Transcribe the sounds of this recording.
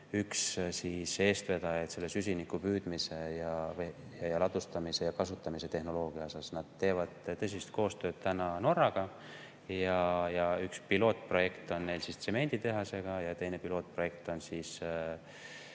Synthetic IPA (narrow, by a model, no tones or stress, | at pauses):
ykssise̞ːst̪ve̞d̪ɑjet̪se̞lːe̞sys̬ʲinikːupyːd̪̥mise̞jɑejɑjɑlɑt̪ːˑust̪ɑmise̞jɑkɑsut̪ːˑɑmise̞t̪e̞hno̞lo̞ːɡ̥iɑo̞sɑsnɑd̪̥̚t̪e̞ːvɑd̪̥t̪ɤs̬ist̪̚ko̞ːst̪ø̞ːd̪̥t̪ænɑno̞rːɑɡ̥ɑ | jɑjɑykspilo̞ːt̪̚pro̞je̞kt̪o̞nːe̞jlsist̪se̞me̞nʲd̪̥it̪e̞ɦɑse̞ɡ̥ɑjɑt̪e̞jne̞pilo̞ːt̪̚pro̞je̞k̚t̪o̞nsiːs